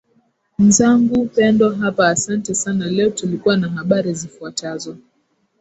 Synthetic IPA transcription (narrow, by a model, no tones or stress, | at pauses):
m̩zaŋɡupɛndɔɦapaːsantɛsanalɛɔtulikuwanaɦaɓaɾizifuatazɔ